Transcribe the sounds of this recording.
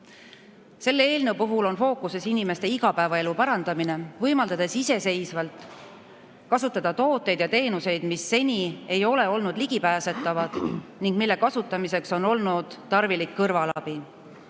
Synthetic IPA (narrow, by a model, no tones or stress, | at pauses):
se̞lːe̞ːlnewpuɦulo̞nfo̞ːkuse̞sinime̞st̪e̞iɡ̥ɑpæevɑe̞lupɑɾɑnd̪̥ɑmine̞vɤjmɑld̪ɑd̪e̞sise̞se̞jsvɑlt̪ˑ | kɑsut̪ːˑɑd̪̥ɑt̪o̞ːt̪ːˑe̞jd̪jɑt̪e̞ːnuse̞jd̪̥misːe̞nʲie̞jo̞le̞o̞lnud̪liɡ̥ipæːse̞t̪ːˑɑvɑd̪̥niŋɡ̥̚milːe̞kɑsut̪ːˑɑmise̞kso̞no̞lnud̪̥t̪ɑrvilikːɤrvɑlɑb̥i